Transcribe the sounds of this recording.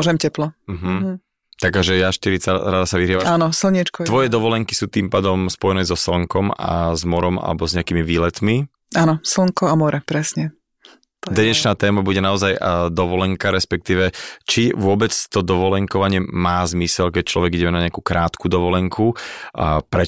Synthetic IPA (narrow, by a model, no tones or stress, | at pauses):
ɔʒɛmcɛplɔm̩ɦm̩ | t̪akaʒɛjaʃt̪iɾit͡saɾad̪asaʋiɾiaʋaanɔsl̩ɲit͡ʃkɔt̪ʋɔjɛd̪ɔʋɔlɛŋkisuːt̪iːmpaːd̪ɔmspɔjɛnɛːzɔsl̩ŋkɔma̰zmɔɾɔma̰lɛ̰bɔzɲɛakiːmiʋiːlɛt̪mi | ʔanɔsl̩ŋkɔamɔɾɛpɾɛsɲɛ | t̪d̪ɛɲɛt͡ʃnaːt̪ɛːmabuɟɛnaɔzajd̪ɔʋɔlɛŋkaɾɛspɛk̚t̪iːʋɛt͡ʃiʋʊɔbɛt͡st̪ɔd̪ɔʋɔlɛŋkɔʋaɲɪɛmaːzmisɛlkɛc̚t͡ʃlɔ̰ʋɛɡiɟɛmɛnaɲɛakukɾʔaːt̪kud̪ɔʋɔlɛŋkʰu | pɾɛ